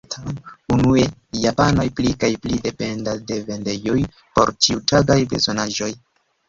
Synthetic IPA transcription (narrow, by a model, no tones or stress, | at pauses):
tamunuejapano̞jplikajplide̞pe̞ndade̞ve̞nde̞joj | po̞̰ɾtiutaɡajbe̞̰zo̞naʒo̞j